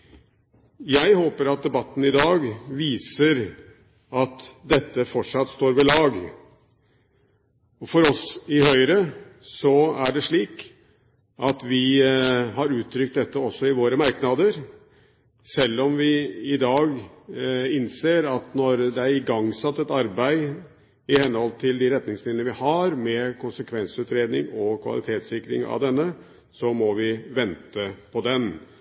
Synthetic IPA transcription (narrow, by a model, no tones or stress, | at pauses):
jæɪhoːpəɾɑt̪̚d̪ɛbɑt̪ːn̩ɪd̪ɑːɡʋiːsəɾ | ɑt̪d̪ɛt̪ːəfɔʈʂɑt̪ːst̪oːɾʋɪlɑːɡ | ɔfɔɾɔsɪhœʏɾəsɔæɖɛʂɭiːk | ʔɑt̪ʋɪ | hɑɾʉːt̪ʰːɾʏkt̪̚d̪ɛt̪ːəɔsːɔɪʋoːɾəmɑɾknɑd̪əɾ | sɛlːɔmʋɪɪd̪ɑːɡ | ɪnseːɾɑt̪nɔɾd̪ɛæɾɪɡɑŋːsɑt̪ːɛt̪ɑɾbæɪ | ɪhɛnːhɔlt̪ʰɪld̪ɪɾɛt̪nɪŋsmɪd̪lnəʋɪhɑɾmɛkʰʊnsəkʰʋɛnsʉːt̪ɾeːd̪nɪŋɔkʰʋɑ̰lɪ̰t̪ʰeːt̪sɪkːɾɪ̰ŋɑ̰ʋd̪ɛnːə | sɔmɔʋɪʋɛnt̪əpʰɔd̪ɛn